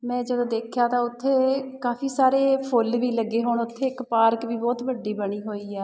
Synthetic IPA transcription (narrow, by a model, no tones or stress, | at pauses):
mɛ̃ːd͡ʒəd̪õːd̪eːkʰjaːt̪ãːʊt̪ʰːeːkaːfʰiːsaːɾeːpʰʊlʋiːləɡːeːɦoːɳʊt̪ʰːeːɪkpaːɾkʋiːbɔːt̪bəɖːiːbəɽ̃iːɦoːiːɛː